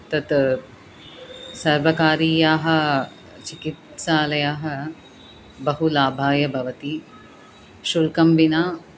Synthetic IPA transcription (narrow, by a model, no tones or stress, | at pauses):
t̪ɐt̪ | sɐɾʋɐkaːɾiːjaːɦɐ̆ | t͡ʃikit̪saːlɐjaːɦɐ̆ | bɐɦulaːbʱaːjɐbʱɐʋɐt̪i | ʃulkɐmʋinaː